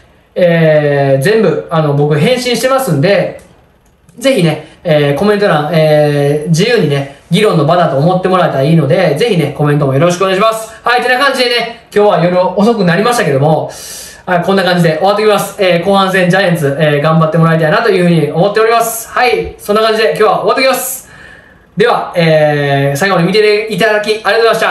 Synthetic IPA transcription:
eːd͡zẽ̞mbɯ̟ano̞bo̞kɯ̟ɦẽ̞ɰ̃ɕĩɕi̥t̪e̞masɨ̃nd̪e̞ | d͡ze̞çine̞ːko̞mẽ̞nt̪oɾãeːd͡ʑijɯːɲ̟ine̞ɡʲiɾõ̞nːo̞bad̪at̪o̞ːmo̞t̪ːe̞mo̞ɾae̞t̪aɾaiːno̞d̪e̞d͡ze̞çine̞ko̞mẽ̞nt̪̬o̞mo̞jo̞ɾo̞ɕ̬ikɯoɡaɕimasɨ̥hait̪e̞nakãɲ̟d͡ʑid̪e̞nekʲo̞ːβaijoɾɯoso̞k̬ɯ̟naɾʲimaɕit̪ake̞d̪o̞mo̞ | akõ̞nːakãɲ̟d͡ʑid̪e̞ʔoat̪eːokʲimasɨ̥eːko̞ːhãɰ̃s̬ẽ̞ɲ̟d͡ʑajẽnt͡sɨeːɡãmbat̪ːe̞mo̞ɾait̪̬ainat̪o̞jɯ̟hɯ̟ɲ̟io̞mo̞t̪ːe̞o̞ɾʲimasɨ̥haisonːakãɲd͡ʑid̪e̞k̬ʲoːβao̞βat̪ːokʲimasɨ̥ | d̪e̞βaeːsaiɡoɲimʲit̪eeit̪ad̪akʲiaɾʲiat̪oeaɕt̪a

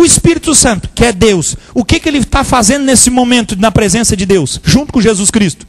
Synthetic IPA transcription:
ʊɪspiɾit̪ʊsɐ̃nt̪ʊ̥kɪɛd̪ewsʊkɪkɪelɪt̪afazẽnd̪ʊnesɪmomẽnt̪ʊnɐpɾezẽsɐd͡ʒɪd̪ewsʒũt̪ʊ̥kõʒezuskɾist̪ʊ̥

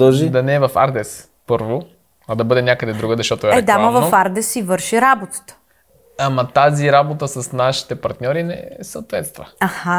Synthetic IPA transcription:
oʒid̪ɐnɛːvɐfa̰ɾd̪ɛs | pɤɾvo | ɐd̪ɐbɤd̪ɛnʲakəd̪ɛd̪ɾuɡəzɐʃt̪ɔt̪oɛɛɛd̪amɐvɐofaɾd̪ɛsivɤɾʃiɾabot̪ə̥t̪ə̥ | amɐt̪aziɾabot̪əsɐsnaʃi̥t̪ɛpɐɾt̪nʲɔɾinɛ̰səot̪vɛt̪st̪və̰aha

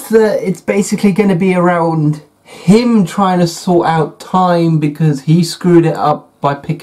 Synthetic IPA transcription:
ðətɪtsb̥eɪsɪkʰliɡʌnəbiəɹãʊ̃nd̥ | ɪ̃mtʰɹ̥aɪɪ̃ŋtʰəsɔˑtaʊtʰãɪ̃mbɪkʰʌz̥iskɹʉɾɪtʌ̰p̚b̥aɪpʰɪk

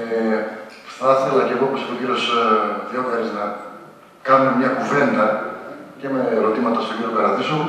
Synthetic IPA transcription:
e | θɐθe̞lɐceɣooposipo̞ciɾio̞sðeokɐɾiznɐ | kɐnume̞mɲɐkuve̞nd̪ɐce̞me̞ɾo̞t̪imɐt̪ɐst̪o̞ciɾiokɐɾɐðisu

